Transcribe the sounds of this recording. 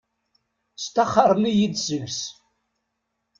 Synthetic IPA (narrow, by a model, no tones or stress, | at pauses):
st̪ɑχəɾˤmijid̪səʝs